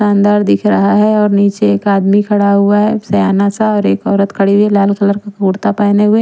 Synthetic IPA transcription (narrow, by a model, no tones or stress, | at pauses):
ãːnd̪aːɾd̪ɪkʰɾɐɦaɦɛɔːɾniːt͡ʃeːkaːd̪mikʰɐɽaɦʊaɦɛsɐjaːnasaɔːɾeːkɔːɾət̪kʰɐɽielaːlkɐləɾkakʊɽt̪apaːneɦʊe